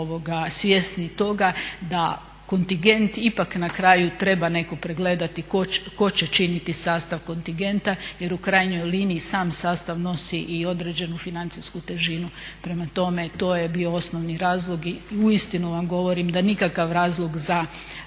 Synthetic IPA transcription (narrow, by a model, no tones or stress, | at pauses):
oʋo̞ɡasʋʲje̞snit̪o̞ɡad̪a | ko̞nt̪iŋɡe̞nt̪ipaknakɾaːjut̪ɾe̞bane̞ko̞pɾeɡle̞d̪at̪ikoko̞t͡ɕe̞t͡ʃinit̪isaːst̪aʋko̞nt̪iɡe̞nt̪aje̞ɾukɾajɲo̞jliniːsaːmsaːst̪aʋno̞siʔio̞d̪ɾe̞d͡ʑe̞nufinant̪siskut̪e̞ʒinupɾe̞mat̪o̞me̞t̪o̞ːjebio̞o̞snoʋniɾaːzlˠo̞ɡiuist̪inuʋamɡo̞ʋo̞ɾimd̪anikakaʋɾaːzlˠo̞ɡza